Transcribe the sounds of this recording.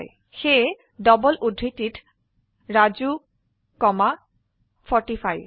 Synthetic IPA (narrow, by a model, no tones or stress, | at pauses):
j | xe | dɔbɔlʔudʱɾitit | ɹad͡ʑu | kɔma | fʰɔɹʈifaj